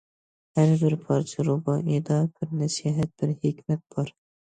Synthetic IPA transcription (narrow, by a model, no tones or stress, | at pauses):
haɾbɪɾpʰɑɾt͡ʃʰɪɾʊbɑʔed̪ɑb̥ɪɾnasiɦat̪̚b̥ɪɾhɪkʲmat̪̚b̥ɒɾ